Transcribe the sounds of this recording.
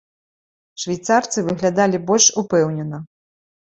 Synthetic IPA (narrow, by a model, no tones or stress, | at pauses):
ʂvʲajt̪sart̪sɨvɨɣlʲad̪alʲibɔlʲʂupɛwnʲɛnɐ